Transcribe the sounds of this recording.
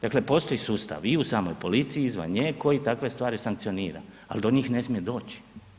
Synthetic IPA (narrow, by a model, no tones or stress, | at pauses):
d̪akle̞po̞ːst̪o̞jisuːst̪a̰ʋiusaːmo̞̰jpo̞lit̪siiizʋa̰nɲeːkʰo̞jit̪akʋe̞st̪ʋaːɾisaŋkt̪sioniːɾa̰ | a̰ld̪o̞ɲiːxne̞smije̞d̪o̞ːt͡ɕi̥